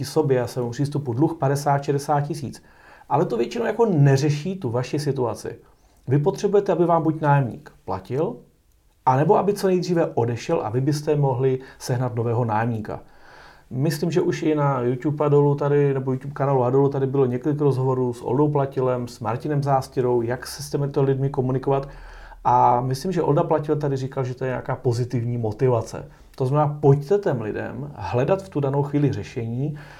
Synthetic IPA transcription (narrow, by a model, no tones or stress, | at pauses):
ɪso̞bjɛasɛːmupr̥iːst̪upudluxpadɛsaːt̪ʃɛdɛsaːt̪̚cɪsḭːt͡s | ʔalɛt̪o̞vjɛt͡ʃɪnowjako̞nɛrɛʃiːt̪uvaʃɪsɪt̪ua̰t͡sɪ̰ | vɪpot̪r̝̥ɛbujɛt̪ɛabɪvaːmbucnaːjɛmɲḭːkpla̰cɪl | ʔanɛbo̞ʔabɪt͡so̞nɛjd̪riːvɛʔo̞dɛʃɛlʔa̰vɪbɪst̪ɛmo̞ɦlɪsɛɦnat̪no̞vɛːɦo̞naːjɛmɲiːka̰ | mɪsliːmʒɛʔuʃɪnajut̪jupadolut̪adɪnɛbojut̪jupkanaːluadolut̪adɪbɪloɲɛkolɪkɾozɦovo̞ɾuːsʔo̰ldowplacɪlɛmsmaɾcɪnɛmzaːscɪɾo̞wjaksɛ̥sc̪ʲɛmɪt̪olɪdmɪko̞munɪko̞vat̪ | ʔamɪslimʒɛʔo̞ldaplacɪlt̪adɪriːkalʒɛt̪ojɛɲɛ̰a̰kaːpo̞zɪt̪ɪvɲiːmo̞t̪ɪvat͡sɛ̰ | t̪oznamɛnaːpoct̪ɛt̪ɛmlɪdɛ̰mɦlɛdat̪ft̪udanowxviːlɪrɛʃɛɲiː